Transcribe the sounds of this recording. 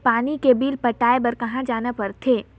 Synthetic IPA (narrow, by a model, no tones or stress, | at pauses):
paːnikebiːlpɐʈaːebɐɾkɐɦãd͡ʒaːnapɐɾt̪ʰeː